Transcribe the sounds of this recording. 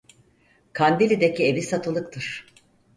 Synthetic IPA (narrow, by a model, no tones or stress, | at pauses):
kʰand̪ilʲid̪ecievisat̪ʰɯlˠɯk̚t̪ʰɯɾ̥